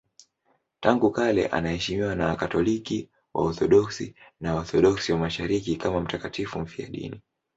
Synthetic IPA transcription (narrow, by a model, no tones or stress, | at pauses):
taŋɡukalɛ̰ʔa̰nahɛʃimiwanakatɔliki | wʔa̰ɔθɔɗɔksinaɔθɔɗɔksiwamaʃaɾikikamam̩takatifum̩fia̰ɗḭni